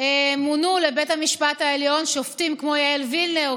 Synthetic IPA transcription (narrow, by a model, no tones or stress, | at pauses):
emunulebethamiʃpathaeljo̞nʃoftimkmojaelvilne